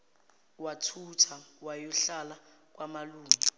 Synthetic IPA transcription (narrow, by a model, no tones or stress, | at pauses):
watʰutʰawajuɬala | k̬wamaluːmi